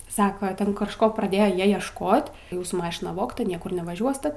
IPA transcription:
ˈsɑːkɐ ˈtʲɛn kɐʃˈkoː prɐˈdʲeːjoː ˈjiɛ iɛʃˈkoːt ˈjuːsuː ˈmɑːʃʲɪnɐ ˈʋoːktɐ ˈnʲiɛkʊr nʲɛʋɐˈʒʲuɔsʲtʲɛ

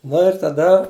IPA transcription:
ˈnʊ ɪr tɐˈdɐ

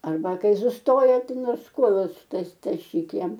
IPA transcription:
ɐrˈbɐ ˈkɐɪ sʊsˈtoːjɛ ˈtɐɪ ˈnoːrs ˈkuɔlˠʊs tɐs tɐˈʃʲiːk ˈjɛm

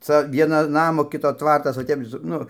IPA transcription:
ˈt͡sɐ ˈʋʲiɛnoː ˈnɑːmoː ˈkʲɪtoː ˈtʋɐrtɐs oː ˈtʲɛp sʊ ˈnʊ

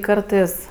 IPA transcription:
ˈkɐrtɜs

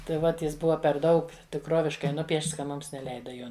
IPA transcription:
tɐɪ ˈʋɐt ˈjɪs ˈbʊʋɐ pʲɛr ˈdɐʊk tʲɪkˈroːʋʲɪʃkɐɪ ˈnʊpʲiɛʃts kɐ ˈmʊms nʲɛˈlʲɛɪdɐ ˈjoː

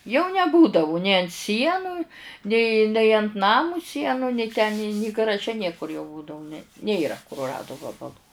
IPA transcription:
jɛʊ nʲɛˈbuːdɐʋʊ nʲeː ɐnt ˈsʲiɛnʊ nʲeː nʲɛɪ ɐnt ˈnɑːmʊ ˈsʲiɛnʊ nʲɛɪ tʲɛn nʲɪ nʲɪ ɡɐrɐˈʒʲɛ ˈnʲiɛkʊr jɛʊ ˈbuːdɐʋʊ nʲɛ ˈnʲeːrɐ kʊrʊˈrɑːdʊ ˈʋɑːbɐlˠʊ

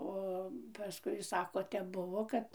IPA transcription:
ˈoː pɐˈskʊɪ ˈsɑːkoː ˈtʲɛp ˈbʊʋoː ˈkɐt

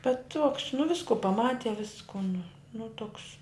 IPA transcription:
bʲɛt tuɔks nʊ ˈʋʲɪskʊ pɐˈmɑːtʲɪ ˈʋʲɪskʊ nʊ ˈnʊ ˈtʊks

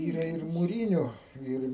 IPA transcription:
ˈiːrɐ ɪr mʊˈrʲiːnʲʊ ˈɪr

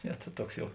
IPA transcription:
ˈnʲɛ tɐ ˈtuɔks ˈjɛʊ

